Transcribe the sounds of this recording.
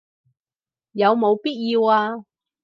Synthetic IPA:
jɐ˨˧wmo˨˧wpiː˥t̚jiː˧waː˧

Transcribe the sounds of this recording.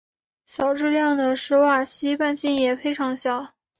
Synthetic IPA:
ɕjɑ˨˩ʊʈ͡ʂɻ̩˥˧ljɑ˥˩ŋd̪ə˩ʂɻ̩˧˥wa˥˩ɕi˥pa˥˧nt͡ɕi˥˩njɛ˨˩fe˥ɪʈ͡ʂʰɑ˧˥ŋɕjɑ˨˩˦ʊ

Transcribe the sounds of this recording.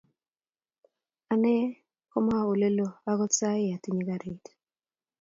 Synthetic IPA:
a˨nɛ˦ | kɔ˦ma˦˨o˨le˦lo˨a˦ɡɔ˦t͡sa˦e˦a˨ti˦ɲi˦ɡa˨ɾe˨t

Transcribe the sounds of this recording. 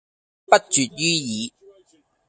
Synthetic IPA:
ppɐ˥t̚t͡ʃyː˨t̚jyː˥jiː˨˧

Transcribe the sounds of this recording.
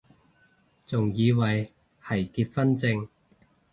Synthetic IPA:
t͡sʊ˨ŋjiː˨˧wɐ˨˩j | hɐ˨˩jkiː˧t̚fɐ˥nt͡sɪ˧ŋ

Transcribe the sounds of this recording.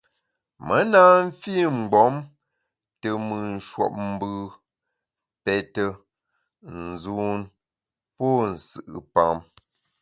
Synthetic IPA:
mə˨˦na˦m̩˦fi˦˨ŋ͡m̩˨ɡ͡bɔ˨˦m | tə˨mɨ˨n̩˨ʃwɔ̰˨p̚m̩˦bɯ˦ | pɛ˨tə˦ | n̩˨zu˦n | pɔ˦˨n̩˨sɨ̰˨ʔɨ˨pa˨m

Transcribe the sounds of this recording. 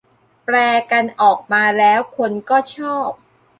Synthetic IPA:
plɛː˧ka˧nʔɔː˨˩k̚maː˧lɛː˦˥wkʰo˧nkɔː˥˩t͡ɕʰɔː˥˩p̚

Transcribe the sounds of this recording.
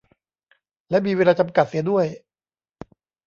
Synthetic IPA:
lɛ˦˥miː˧weː˧laː˧t͡ɕa˧mka˨˩si˩˦du˥˩əj

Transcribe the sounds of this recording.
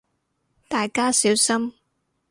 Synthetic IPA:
t̪aː˨jkaː˥siː˨˥wsɐ˥m

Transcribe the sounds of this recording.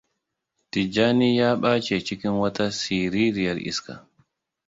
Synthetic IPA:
di˨d͡ʒaː˦ni˦jaː˦ɓaː˦t͡ʃɛ˨t͡ʃi˦ki˦nwa˦ta˦si˨ɾi˦ɾi˨ja˨lʔḭ˦ska̰

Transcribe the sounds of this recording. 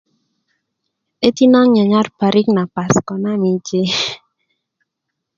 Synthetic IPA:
e˦t̪i˦na˦ŋɲa˨ɲa˦rpa˨ɾi˦kna˨pa˨skɔ˨na˦mi˨d͡ʒe˦

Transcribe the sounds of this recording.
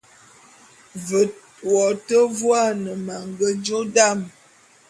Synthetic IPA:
və˨ | wɔ˨tə˦vwa˦˨nə˨ma˨ŋɡə˦d͡ʒo˦da˦˨m

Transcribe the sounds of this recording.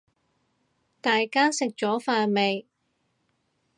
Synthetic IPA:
t̪aː˨jkaː˥sɪ˨k̚t͡ʃɔː˨˥faː˧me˨j

